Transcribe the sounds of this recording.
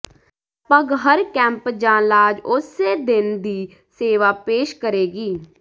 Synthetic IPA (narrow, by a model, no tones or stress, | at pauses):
pəɡɦəɾkɛ̃ːmpd͡ʒãːnlaːd͡ʒʊseːd̪ɪnd̪iː | seːʋaːpeːʃkəɾeːɡiː